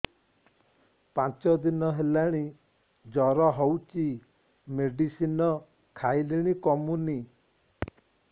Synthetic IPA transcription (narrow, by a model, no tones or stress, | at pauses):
pãt͡ʃɔd̪inɔɦelaɽ̃i | d͡ʒɔɾɔɦowt͡ʃi | meɖisinɔ | kʰajliɽ̃ikɔmuni